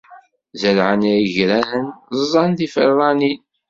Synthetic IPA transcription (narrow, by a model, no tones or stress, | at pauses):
zəlʕənæəʝɾæɾənzˤɑnðifə̰ɾˤːɑnin